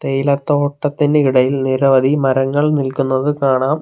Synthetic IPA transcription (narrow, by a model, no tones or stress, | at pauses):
t̪ejlɐt̪ːo̞ːʈːɐt̪ːindeiɽɐjilniɾɐʋɐd̪ʱimɐɾɐŋːɐɭnilkunːɐðɨkaːɳaːm